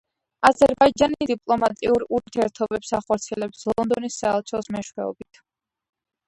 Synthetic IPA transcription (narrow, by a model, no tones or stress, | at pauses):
azɛɾbaid͡ʒanid̪ipʼlˠɔmat̪ʼḭuɾuɾt̪ʰiɛɾt̪ʰɔbɛpsaχɔɾt̪sʰiɛlɛpslˠnd̪ɔnisːaɛlˠt͡ʃʰɔsmɛʃwɛɔ̰bit̪ʰ